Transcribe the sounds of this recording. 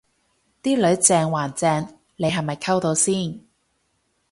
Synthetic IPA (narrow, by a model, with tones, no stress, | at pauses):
t̪iː˥lɵ˨˥ɥt͡sɛː˧ŋwaː˨˩nt͡sɛː˧ŋ | le˨˧jɦɐ˨jmɐ˨jkʰɐ˥wt̪o˨˧wsiː˥˩n